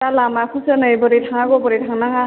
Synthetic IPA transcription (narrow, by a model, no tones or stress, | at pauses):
talamakʰusənɯjbɔɾitʰaŋaɡɔbɔɾitʰaŋnaŋa